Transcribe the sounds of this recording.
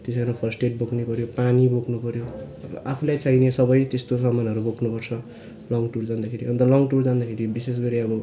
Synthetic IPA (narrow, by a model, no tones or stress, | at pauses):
t̪esʌɾũpʰʌrsʈeʈ̚boknepʌɾjopaniboknupʌɾjo | ʌbʌ̰ʔapʰulajt͡sajnesʌbʌjt̪est̪os̬ʌmanɦʌɾubokʰnupʌrt͡sʰʌ | lʌŋɡʈuɾd͡zand̪akʰeɾiʌnt̪ʌlʌŋɡʈuɾd͡zand̪akʰeɾibises̬ɡʌɾiʌbʌ